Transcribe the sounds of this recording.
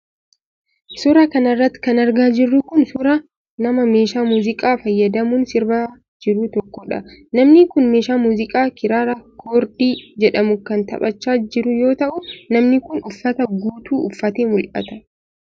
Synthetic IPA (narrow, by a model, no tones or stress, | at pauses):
sʊɾɐkɐnɐrːɐt̪ːɪ̥kɐnɐɾɡaːd͡ʒɪrːʊkʊnsʊɾɐ | nɐmɐme̞ːʃaːmuːzɪkʼaːfɐjːɐd̪ɐmʊːnsɪɾbaː | d͡ʒɪɾʊt̪ɔkːɔᶑɐ̰nɐmnɪkʊnmeːʃaːmuːzɪkʼaːkɪɾaːɾɐkʰoːɾd̪iːd͡ʒɛᶑɐmʊkɐnt̪ɐ̰pʼɐt͡ʃːaːd͡ʒɪɾʊjo̞ːt̪ɐʔʊnɐmnɪkʊnʊfːɐt̪ɐɡuːt̪uːʊ̰fːɐt̪eːmʊlʔɐ̰t̪ɐ